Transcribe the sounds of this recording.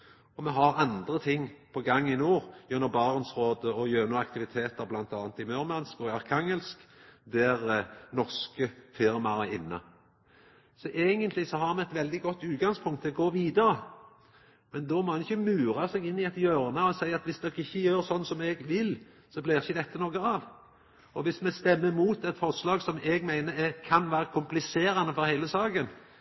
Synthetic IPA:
ɔmɛɦɑɾɑnd̪ɾət̪ʰɪŋːpʰɔɡɑŋːɪnuːʁjʉnːɔbɑːʁnsʁoːd̪əɔjøːʁnuːɑkt̪ɪʋɪt̪ʰeːt̪əʁblɑnt̪ɑːnt̪ɪmœːɾmɑnskɔɑʁkʰɑŋɛlskd̪æʁnɔʁskəfɪɾmɑɾæɪnːɑ̰ | sɔʔeːɡənt̪lɪsɔɦɑʁmɛɛt̪ʋɛld̪ɪɡɔt̪ːʉːt̪̚ɡɑŋspʰʊŋkt̪ʰːɪlɔɡoːʋiːd̪əɾə | mɛnd̪ɔmoːhɑnɪçəmʉːɾɑsɛɡɪnːɪɛt̪jøːɾnɑɔsæɪɑt̪ʋɪsd̪oːɡɪçːəjøːɾsɔnːsɔmɛɡʋɪl | sɔblɪʁɪçəd̪ɛt̪ːənoːɡəɑʋ | ɔʋɪsmɛst̪ɛmːəmuːt̪ɛt̪fɔʁslɑːɡsɔmɛɡmæɪnəɾɛkʰɑnʋæːɾəkʰʊmplɪseːɾɑnəfɔɾhæɪləsɑːɡən

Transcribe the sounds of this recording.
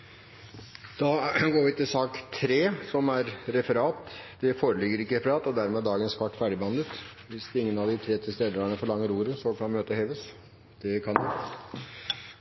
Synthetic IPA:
d̪̥ɑɡoːɾʋɪt̪ɪlsɑːkt̪ʰɾeːsɔmæɾɾɛfəɾɑːt̪d̪̥ɛfoːɾəlɪɡːəɾɪkːəɾɛfəɾɑːt̪ɔd̪æɾmɛd̪ɑːɡənskɑʈːfæɖɪbəɑnd̪ət̪ | ʋɪsd̪ɪŋːənɑʋd̪ɪt̪ʰɾeːt̪ʰɪlst̪eːd̪əɾəɳəfɔɭɑŋːəɾuːɾəsɔkʰɑnmøːt̪əheːʋəs | d̪̥ɛkʰɑnɪ

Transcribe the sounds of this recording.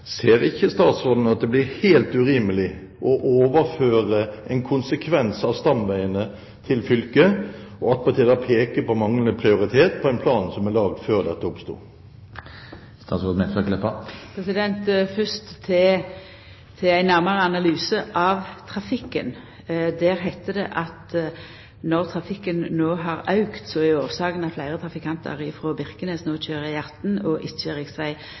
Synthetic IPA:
seːʁɪçːəst̪ɑːt̪sʁoːd̪n̩ɑt̪̚d̪ɛblɪɾheːlt̪ʉɾiːməlɪ | ʔɔʔoːʋəʁføːʁəɛɪnkʰʊnsəkʰʋɛnsɑʋst̪ɑmʋæɪənə | t̪ʰɪlfʏlkəɔɑt̪̚pʰɑʁt̪ʰiːd̪æpʰeːkəpʰɔmɑŋlənəpʰʁɪʊʁɪt̪ʰeːt̪pʰɔæɪnpʰlɑːnsɔmæʁlɑːɡ̚d̪føːʁd̪ɛt̪ːəʊpst̪ṵː | st̪ɑːt̪sʁoːd̪mɛfœklɛpːəpʰɾɛsɪd̪ɛnt̪fʏst̪ʰɪ | t̪ʰɪæɪnæʁməʁəɑnɑlyːsəʔɑʋt̪ʰʁɑfɪkːə̰n | d̪æːʁɦæɪt̪ːəd̪ɛ̰ʔɑt̪ | nɔʁt̪ʰʁɑfɪkːənːoːɦɑʁɑʉkt̪sɔæoːʁsɑːɡənɑt̪flæɪʁət̪ʰʁɑfɪkʰɑnt̪ʰə̰ʁɪfʁoːbɪʁkənesnoːçøːʁəjæʁt̪nɔʔɪt̪ʃəʁɪksʋæɪ

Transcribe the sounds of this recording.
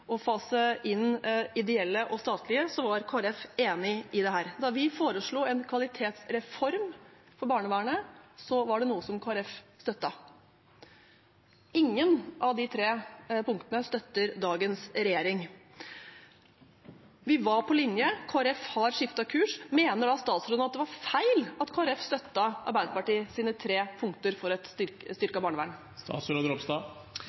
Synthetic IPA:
ʔɔfɑːsəʔɪnɪd̪ɛɛlːəʔɔst̪ɑːt̪lɪəsɔʋɑɾkʰoɾɛfeːnɪɪd̪ɛɦæːɾd̪ɑɾʋɪfoːɾəʂɭuːɛnkʰʋɑlɪt̪ʰeːt̪sɾɛfɔɾm | fɔɾbɑːɳəʋæːɳəsɔʋɑɖɛnuːəsɔmkʰɑːɾɛfst̪œt̪ːɑ | ɪŋːənʔɑʋd̪ɪt̪ʰɾeːpʊŋkt̪ənəst̪œt̪ːəɾd̪ɑːɡənsɾɛjeːɾɪŋ | ʋɪʋɑɾpʰɔlɪnjəkʰoːæɾɛfhɑɾʂɪft̪ɑkʰʉːʂmeːnəɖɑst̪ɑːt̪sɾɔːnɑt̪̚d̪ɛʋɑɾfæɪlɑt̪kʰoːɛɾɛfst̪œt̪ːɑʔɑ̰ɾbæɪd̪əpɑʈiːsiːnət̪ʰɾeːpʰʊŋk̚t̪əɾfɔɾɛt̪ʏɾst̪ʏɾkɑbɑːɳəʋæ̰ɳ | st̪ɑ̰ːt̪sɾəd̪ɾɔpst̪ɑː

